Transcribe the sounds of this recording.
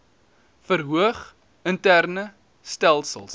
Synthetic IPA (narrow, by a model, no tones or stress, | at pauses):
fəɾɦuəχ | əntærnə | stælˠsə̰lˠs